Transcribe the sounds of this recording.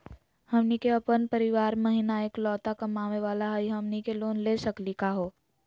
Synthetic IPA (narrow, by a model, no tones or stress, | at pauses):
hɐmnikeɐpənpəɾɪʋaːɾmɐɦinaeːklɔːt̪akɐmaːʋeʋaːlaɦɐiɦɐmnikeloːnleːsɐklikaɦoː